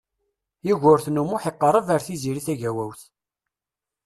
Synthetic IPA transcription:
iʝʊɾθnumʊħeqːəɾˤəvaɾθiziɾiθæʝæwæwθ

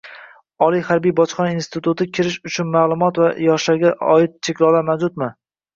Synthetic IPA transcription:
ɒlˠijhaɾbijbɒt͡ʃχɒnainst̪ɪt̪ʰʊt̪ʰɪkʲʰɪɾɪʃʊt͡ʃʰʊnmaːlˠʊmɒt̪vajɒʃlaɾɡʲaʔɒɪt̪̚t͡ʃʰekʲlˠɒwlamawd͡ʒʊt̪mɪ

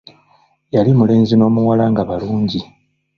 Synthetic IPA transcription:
jalimule̞ːnzino̞ːmuwalaŋɡaβaluːɲɟi

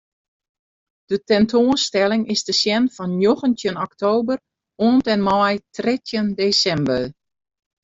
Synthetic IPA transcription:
d̥ətɛntʰoənstɛlɪŋɪsdəsjɛnfɔnjoɣəntjənɔktoːbər | oəntɛnmɔjtrɪtjəndeːsɛmbə

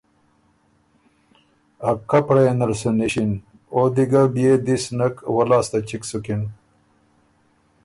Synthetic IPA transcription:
ɐkːapɾenɐɾsuniɕin | od̪iɡabijed̪isnɐkwɐlaːst̪at͡ɕiksukin

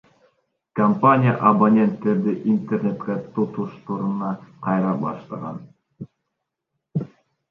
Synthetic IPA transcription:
kɐmpanʲɪja̰ʔɐbɐnʲent̪ːeɾd̪ɘʔint̪ʲernʲet̪kæt̪ot̪uʃt̪uɾɤ̆nɑqɑjɾɑbɑ̰ʃlˠɑ̰ʁɑ̰n

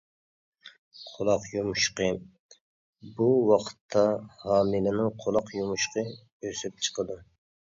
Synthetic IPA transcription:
qʰolˠɑqjumuʃqə | buwɑqʰə̥t̪ʰːɑhɑːmɨlɪnɪŋqʰolˠɑqjumuʃqʰə | øsyp̚t͡ʃʰə̥qʰəd̪u

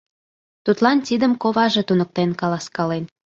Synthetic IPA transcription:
t̪ut̪lɑnt̪id̪əmkoβɑʒet̪unək̚t̪enkɑlɑskɑlen

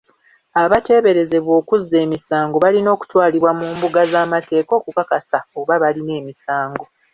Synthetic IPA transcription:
aβate̞ːβe̞ɾe̞ze̞βwo̞ːkuzːe̞ːmisaːŋɡo̞βalino̞ːku̥twaːliβwamuːmbuɡazaːmate̞ːko̞ːkukakasaoβaβaline̞ːmisaːŋɡo̞

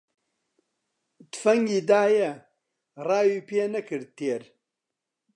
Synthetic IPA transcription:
t̪fɐŋɡid̪aːje | raːjipeːnɐkʰɨɾt̪ʰeːɾ

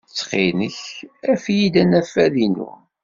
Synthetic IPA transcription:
t͡sːχinəçæfjid̪ænæfæðinṵ

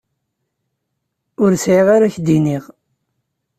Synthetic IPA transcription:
ʊɾsʕiʁaɾaçd̪iniʁ

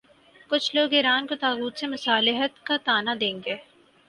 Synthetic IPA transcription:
kʊt͡ʃʰloːɡɪɾaːnkot̪aːɣuːt̪semɐsaːlɪɦət̪kat̪aːnad̪ẽːŋɡeː

